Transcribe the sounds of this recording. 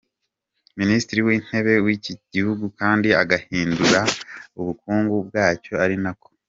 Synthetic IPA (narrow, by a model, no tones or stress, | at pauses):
ministɾiwiːn̥he̞βe̞wiciɟihuɡukaːndiaɡahiːnduɾauβukuːŋɡub̚ɡaːco̞aɾinako̞̥